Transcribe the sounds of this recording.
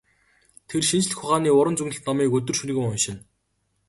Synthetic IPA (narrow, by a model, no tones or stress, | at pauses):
t̪ʰerʃint͡ɕ̆ɮɘ̆xʊχaːniːʊɾə̆nt͡suɣnɘ̆ɬt̪nɔmiːkɵt̪ɵ̆rʃun̆ɣʲĭŋʊnʃɪ̆n